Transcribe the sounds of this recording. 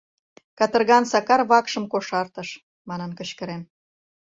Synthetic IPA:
kɑt̪ə̆rɣɑnsɑkɑrβɑkʃə̆mkoʃɑrt̪əʃ | mɑnənkə̆ɕkəɾem

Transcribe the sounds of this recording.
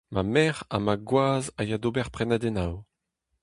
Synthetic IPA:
mamɛʁa̰maɡwaːzajad̪obɛʁpχɛnad̪ɛnaw

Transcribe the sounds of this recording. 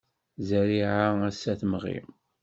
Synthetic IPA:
zəɾiʕaæsæθmʁḭ

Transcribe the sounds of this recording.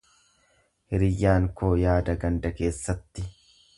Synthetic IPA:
hɪɾɪjːaːŋkoːjaːd̪ɐɡɐnd̪ɐke̞ːsːɐt̪ːɪ

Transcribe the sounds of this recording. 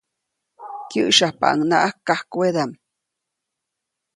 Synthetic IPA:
kjɨʔʃahpa̰ʔa̰ŋnaʔakːahkwed̪am

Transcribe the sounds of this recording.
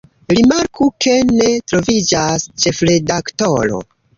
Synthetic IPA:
ɾimaɾkʰukʰe̞ne̞tɾo̞vid͡ʒast͡ʃe̞fɾe̞daktoɾo̞̰

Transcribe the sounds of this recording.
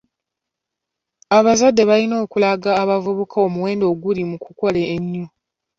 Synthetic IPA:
aβazadːe̞βalino̞ːkulaɡaːβavuβukʰao̞muwe̞ːndo̞ːɡulimukuko̞leːɲːo

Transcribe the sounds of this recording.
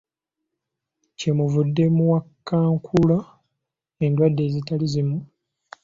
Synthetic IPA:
cemuvudːe̞muwakːaːŋkʰula | e̞ːndwadːe̞ːzitalizimu

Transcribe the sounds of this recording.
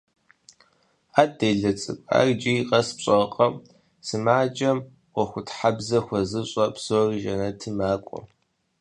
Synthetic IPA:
aːt̚ːeːɮɐt͡sʼɨpʷʼa̰ːrd͡ʒiqʼɐspɕʼɐqʼɐm | sɨmaːd͡ʒʼɐm | wʷɔxʷʊtħabzɐxʷɐzɨɕʼɐpsoːrʒɐnɐtʰɨmaːkʷʼɔ̰

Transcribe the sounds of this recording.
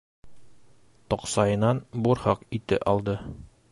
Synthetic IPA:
t̪ɒqsɑjɤ̆nɑnbuɾhɑqit̪ɘ̰ʔɒlˠd̪ɤ

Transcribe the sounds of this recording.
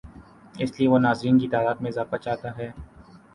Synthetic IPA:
ɪslieʋonaːzɾiːnkit̪aːd̪aːt̪mẽzaːfat͡ʃaːt̪aɦɛː

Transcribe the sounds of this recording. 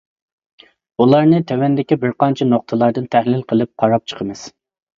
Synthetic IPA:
ulˠɑɾnɨt̪ʰɛwɛnd̪ɪkʲibɪɾqɑnt͡ʃʰɛnoq̚t̪ʰɨlˠɑɾd̪ɨnt̪ʰæhlɪlqʰəlˠɨp̚qʰɑɾɑp̚t͡ʃʰə̥qʰəmɨz̥

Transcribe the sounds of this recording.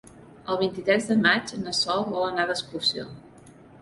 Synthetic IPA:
əlˠβ̞int̪it̪ɾɛzðəmad͡ʒənəsɔlˠβɔlənaðəskuɾsijo̰

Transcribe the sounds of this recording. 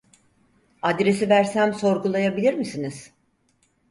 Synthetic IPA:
ad̪ɾe̞sivæɾsæmso̞ɾɡulˠajabilʲiɾmisiniz̥

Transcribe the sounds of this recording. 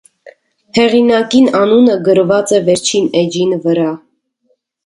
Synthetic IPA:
hɛʁinɑkinɑnunəɡəɾvɑt͡sɛvɛɾt͡ʃʰinɛd͡ʒinvəɾɑ

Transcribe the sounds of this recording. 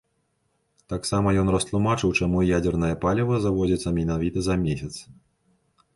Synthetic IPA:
t̪aksamɐjɔnrɐst̪lˠumat͡ʂɨwt͡ʂamujad͡zʲɛrnɐjɐpalʲɛvɐzavɔd͡zʲɐt̪sːɐmʲinavʲit̪ɐzɐmʲesʲɐt̪s

